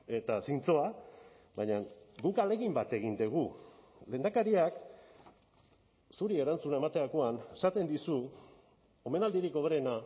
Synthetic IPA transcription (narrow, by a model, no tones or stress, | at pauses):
e̞t̪asint͡so̞a | bajɲaŋɡukale̞ɣimbat̪e̞ɣ̞ind̪eɣ̞u | le̞ːnakaɾiak | suɾie̞ɾant͡sunae̞mat̪e̞ako̞ane̞sat̪e̞nd̪isu | o̞me̞nald̪iɾiko̞β̞eɾena